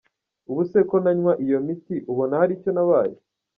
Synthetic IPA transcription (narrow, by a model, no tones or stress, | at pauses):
uβuse̞ko̞naɲwaʔijo̞mit̪iʔuβonahaɾiːco̞naβaːjo̰